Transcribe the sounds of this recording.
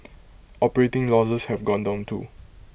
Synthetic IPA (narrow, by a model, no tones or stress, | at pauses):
ʔɔpəɹetɪ̃ŋlɔsəshɛvɡɔ̃ndãʊ̃ntʰṵ